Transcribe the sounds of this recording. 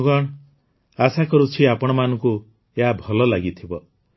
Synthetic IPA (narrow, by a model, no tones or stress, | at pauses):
ɡɔɽ̃ | asakɔɾut͡ʃʰiapɔɽ̃ɔmanɔ̃ŋku | eɦabʱɔlɔlaɡit̪ʰibɔ